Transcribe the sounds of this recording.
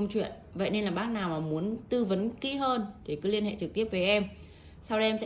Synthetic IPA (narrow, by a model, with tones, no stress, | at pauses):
ŋ͡mt͡ɕwḭ˧˨ən | və̰˧˨jne˧nlaː˨˩ɓaː˦˥k̚naː˨˩wmaː˨˩mu˨˦ənt̪ɨ˧və˨˦nki˧˦ɦəː˧nt̪ʰe˨˩kɨ˨˦li˧ənhḛ˧˨t͡ɕɨ˨˩k̚t̪əp̚ve˨˩ʔɛ˧m | sa˧wɗɛ˧msɛ̰˧